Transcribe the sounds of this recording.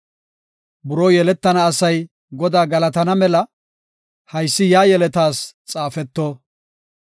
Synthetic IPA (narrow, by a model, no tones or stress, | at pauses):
bʊɾoːjɛlɛt̪ːɐnɐːsɐj | ɡɔd̪aːɡɐlɐt̪ɐnɐmɛlɐ | hɐjsːɪjaːjɛlɛt̪aːst͡sʼaːfɛt̪ːoː